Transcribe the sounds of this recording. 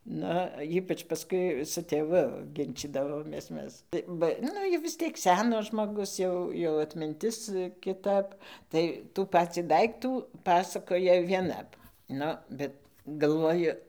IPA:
ˈnʊ ˈiːpɐt͡ʃ pɐˈskʊɪ sʊ tʲeːˈʋʊ ˈɡʲɪnʲt͡ʃʲiːdɐʋoːmʲeːs ˈmʲɛs ˈbɐ ˈnʊ jɛʊ ʋʲɪs ˈtʲiɛk ˈsʲæːnɐs ʒmoːˈɡʊs ˈjɛʊ jɛʊ ɐtʲmʲɪnʲˈtʲɪs kʲɪˈtɐp tɐɪ tuː ˈpɑːt͡sʲiː ˈdɐɪktuː ˈpɑːsɐkoːjɛ ˈʋʲiɛnɐp ˈnʊ ˈbʲɛt ɡɐlˠˈʋoːjʊ

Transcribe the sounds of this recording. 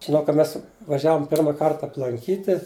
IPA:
ʒʲɪˈnɐʊ kɐ ˈmʲɛs ʋɐˈʒʲæːʋoːm ˈpʲɪrmɐ ˈkɐrt ɐplˠɐŋʲˈkʲiːtʲɪ

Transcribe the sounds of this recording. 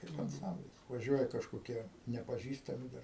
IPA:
kɐɪp ɐnˈt͡sɐmʲbʲlʲɪs ʋɐˈʒʲuɔjɛ kɐʃkoːˈkʲiɛ nʲɛpɐˈʒʲiːstɐmʲɪ dɐr

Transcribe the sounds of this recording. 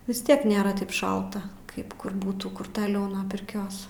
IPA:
ʋʲɪs ˈtʲiɛk nʲeːˈrɐ ˈtɐɪp ˈʃɐlˠtɐ ˈkɐɪp kʊr ˈbuːtuː kʊr tɐˈlʲɛʊ nuɔ pʲɪrʲˈkʲoːs

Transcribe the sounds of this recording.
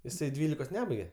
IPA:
jɪˈsɐɪ ˈdʲʋʲiːlʲɪkoːs ˈnʲæːbɐɪɡʲɛ

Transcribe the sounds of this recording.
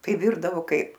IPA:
tɐɪ ˈʋʲɪrdɐʋoː ˈkɐɪp

